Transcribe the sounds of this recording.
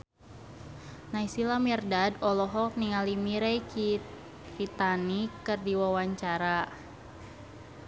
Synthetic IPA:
najsilamirdadɔlɔɦɔk̚niŋalimiɾɛj | it̪anikɨrdiwawaɲt͡ʃaɾa

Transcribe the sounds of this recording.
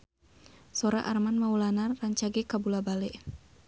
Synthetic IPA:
sɔɾa̰ʔarmanmaulanarːaɲt͡ʃaɡɛkabulabalɛʔ

